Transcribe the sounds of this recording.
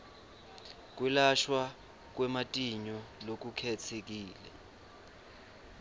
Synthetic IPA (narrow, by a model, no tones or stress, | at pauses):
k̬ʼwɛlaʃwa | k̬wɛmatʼiɲɔlok̬ukʰɛt͡sʰek̬iːlɛ̰